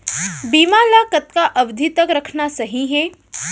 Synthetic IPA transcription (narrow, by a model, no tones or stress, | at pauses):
biːmalakɐt̪̚kaʔɐʋd̪ʱit̪əkɾɐkʰnasɐɦĩɦɛ̃ː